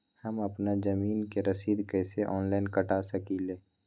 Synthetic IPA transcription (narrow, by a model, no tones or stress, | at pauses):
həməpnazəmiːnkeɾəsiːd̪kɛːseʔɔːnlaɪnkəʈasəkileː